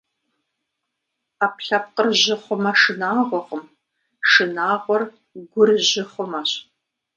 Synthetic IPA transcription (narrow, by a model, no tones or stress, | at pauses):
aːpɬɐp̚qərʑɪχʷʊmɐʂɨnaːʁʷɔʁəm | ʂɨnaːʁʷɔr | ɡʷʊrʑɪχʷʊmɐɕ